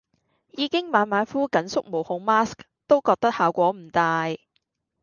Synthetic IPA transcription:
jiː˨˧kɪ˥ŋmaː˨˧nmaː˨˥nfuː˥kɐ˨˥nsʊ˥k̚mo˨˩whʊ˧ŋmaː˥sk | t̪o˥wkɔː˧k̚t̪ɐ˥k̚haː˨wkʷɔː˨˥m̩˨˩t̪aː˧j

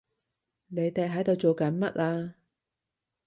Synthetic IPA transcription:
ne˨˧jt̪e˨˧jɦɐ˨˥jt̪o˨˧wt͡ʃo˨wkɐ˨˥nmɐ˦˥t̚laː˧

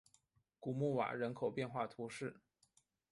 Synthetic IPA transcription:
ku˨˩mu˥˩wa̰˨˩ɻə˧˥nkʰo˨˩ʊpjɛ˥˧nxwa˥˩t̪ʰu˧˥ʂɻ̩˥˩

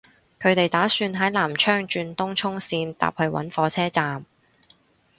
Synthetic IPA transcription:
kʰɵ˨˧t̪e˨jt̪aː˨˥syː˧nɦɐ˨˥jlaː˨˩mt͡ʃʰœː˥ŋt͡ʃyː˧nt̪ʊ˥ŋt͡ʃʰʊ˥ŋsiː˧nt̪a̰ː˨p̚hɵ˧ɥwɐ̰˨˥nfɔː˨˧t͡sʰɛː˥t͡saː˨m

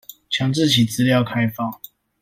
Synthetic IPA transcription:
t͡ɕʰjɑ˨˧˥ŋt͡sɻ̩˥˨t͡ɕʰi˨˩t͡sɹ̩˥˦ljɑ˥˨ʊkʰa˥˦ɪfɑ˥˨ŋ

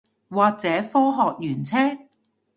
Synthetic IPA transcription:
waː˨k̚t͡sɛː˨˥fɔː˥ɦɔː˨k̚jyː˨˩nt͡sʰɛː˥

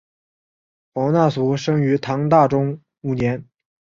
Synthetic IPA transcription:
pɑ˧˥ʊna˥˩su˧˥ʂɤ˥ŋy˧˥t̪ʰɑ˧˥ŋt̪a˥˩ʈ͡ʂʊ˥ŋ | u˥˩njɛ˧˥n

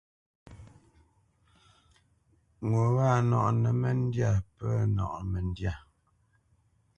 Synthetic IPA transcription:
ŋo˨wa˦˨nɔ̰˨ʔnə˨mə˨n˦dja˦˨pə˦nɔ̰˨ʔmɛ˨n˦dja˦˨

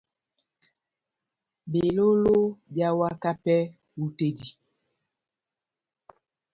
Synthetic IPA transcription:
be˨lo˦lo˦bja˦wa˦ka˦pɛ˦ | u˦te˦di˨

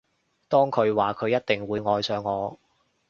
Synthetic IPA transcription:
t̪ɔː˥ŋkʰɵ˨˧ɥwaː˨kʰɵ˨˧ɥjɐ˥t̚t̪ɪ˨ŋwuː˨˧˥jŋɔː˨˧jsœː˨˧ŋːɔː˨˧

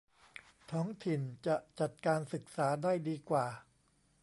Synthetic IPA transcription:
t̪ʰɔː˦˥ŋt̪ʰi˨˩nt͡ɕa˨˩ʔt͡ɕa˨˩t̪̚kaː˧nsɯ˨˩k̚saː˩˦daː˥˩jdiː˧kwaː˨˩

